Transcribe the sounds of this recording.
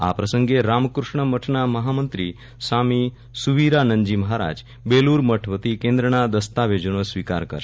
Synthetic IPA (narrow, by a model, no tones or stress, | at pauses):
a̰pɾəsəŋɡeɾamkɾuʂɳəməʈʰɳaməɦamənt̪ɾiː | sami | suʋiɾanəɲd͡ʑiːməɦaɾa̰d͡ʒ | beluːɾməʈʰʋət̪ikẽnd̪ɾəɳ̃ad̪əst̪aʋed͡ʑənəsʋika̰ɾkə̰ɾ